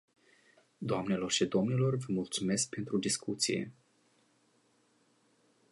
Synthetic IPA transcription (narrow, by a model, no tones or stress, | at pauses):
d̪oamne̞lo̞rʃid̪o̞mnilo̞rvəmult̪sume̞sk̚pe̞nt̪ɾud̪iskut̪sije̞̰